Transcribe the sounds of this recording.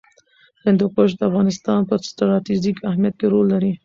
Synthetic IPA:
hɪnd̪okoʃd̪əafɣɑnɪst̪ɑnpəst̪ɾɑt̪id͡ʒikahmjat̪̚keɾolːaɾi

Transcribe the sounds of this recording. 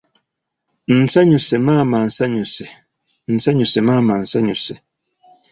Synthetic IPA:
n̩sɛɲusemaːman̩sɛɲuse | n̩sɛɲusemaːman̩sɛɲuse

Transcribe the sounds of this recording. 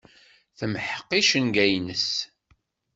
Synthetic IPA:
θəmħə̥qːiʃənɡæjnəs

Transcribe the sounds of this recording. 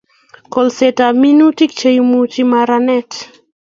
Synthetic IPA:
kɔlsetaminutik̚t͡ʃejumut͡ʃimaɾanɛt

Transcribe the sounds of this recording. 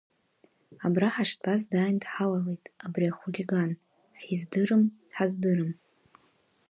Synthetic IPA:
abraħaʂtʼazdaːjndħawalejtʼabriaχulʲiɡan | ħizdɨɾɨmd̥ħazdɨɾɨm

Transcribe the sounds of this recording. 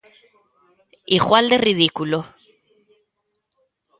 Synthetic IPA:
iɣwald̪eriðikulo

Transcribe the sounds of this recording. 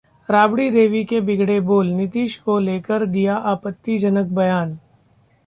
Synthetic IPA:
ɾaːbɽiɾeːʋikebɪɡɽeboːlnɪt̪iːʃkoleːkəɾd̪ijaʔaːpət̪ːid͡ʒɐnək̚bɐjaːn

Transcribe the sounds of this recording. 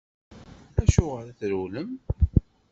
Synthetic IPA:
æʃʊʁəɾæθɾuləm

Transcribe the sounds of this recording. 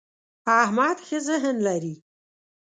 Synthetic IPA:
ahmaːd̪xizəɦənlaɾi

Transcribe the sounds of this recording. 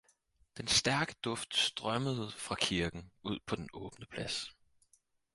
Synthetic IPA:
d̥ensd̥æɐɡ̥ə̥d̥ɔ̽fd̥sd̥ʁɶməð̩ˠfʁɑ̈kʰiɐɡ̥n̩uð̞̰ˠpʰɒ̽d̥enɔ̽ːb̥nəpʰlæs

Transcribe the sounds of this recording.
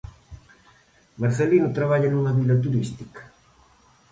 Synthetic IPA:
maɾθelinʊt̪ɾaβaʎɐnũŋɐβilɐt̪̬uɾist̪ikɐ̥

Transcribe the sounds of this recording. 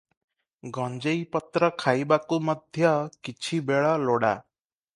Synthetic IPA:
ɡʱʌnd͡zʌjpʌt̪ɾʌkʰajbakumʌd̪ʱjʌkit͡ʃʰibeɭʌloɽa̰

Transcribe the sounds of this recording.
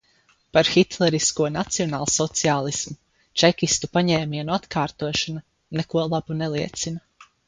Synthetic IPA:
paɾxit̪lˠɛɾiskuɔnat̪siɔnaːlˠsɔt̪siaːlˠismu | t͡ʃɛkʲist̪upaɲɛːmiɛnuat̪kaːɾt̪uɔʃana | nɛkuɔlˠabunɛlˠiɛt̪sina

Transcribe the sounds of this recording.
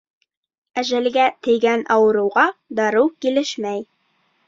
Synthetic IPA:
æʒælɡæt̪ɘ̆jɡænɑwɤ̆ɾɤ̆wʁɑd̪ɑɾɤwkilɘʃmæj

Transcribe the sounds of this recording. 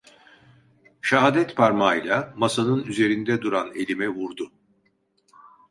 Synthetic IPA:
ʃaɦaːd̪ɛt̪pʰaɾmajlʲˠamasanɯnyze̞ɾind̪ɛd̪uɾane̞lʲimɛvuɾd̪ʊ

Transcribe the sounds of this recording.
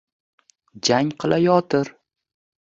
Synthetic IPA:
d͡ʒaŋqʰɨlʔajɒt̪ʰɪɾ

